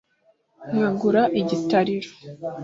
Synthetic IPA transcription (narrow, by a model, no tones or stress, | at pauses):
ɲuːŋɡuɾaʔiɟitaɾiɾo